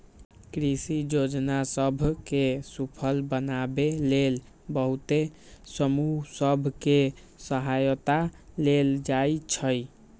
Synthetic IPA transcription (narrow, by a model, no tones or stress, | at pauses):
kɾisid͡ʒod͡ʒnasəbʱkesupʰəlbənabelel | bəɦut̪e | səmusəbʱke | səɦajət̪aleld͡ʒajt͡ʃʰəj